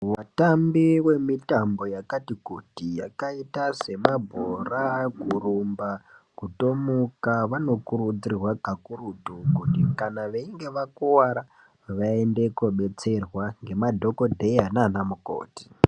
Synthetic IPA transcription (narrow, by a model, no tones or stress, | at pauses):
watambiwe̞mitambo̞jakatikutijakaitase̞mabʱorakurumbakuto̞mukaʋano̞kuɾud͡zirwakakuɾutukutikanaʋeiŋɡe̞ʋakuwaɾa | ʋaende̞koɓe̞t͡se̞rwaŋɡe̞madʱo̞ko̞dʱe̞jananamuko̰ːti̥